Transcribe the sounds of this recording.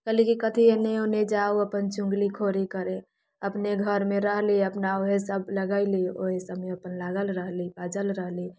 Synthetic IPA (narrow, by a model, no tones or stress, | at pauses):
kəlikikət̪ʰieneoned͡ʒaoəpənt͡ʃʊ̃ŋɡlikʰoɾikəɾẽ | əpneɡʱəɾmẽɾəɦliəpnaoɦesəb̚ləɡəɪlio̰ɦesəbmeəpənlaɡəlɾəɦlibad͡ʒəlɾəɦli